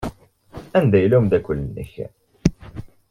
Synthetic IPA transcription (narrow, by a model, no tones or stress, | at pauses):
ænd̪æjlumd̪ækʊlːənːə̰ç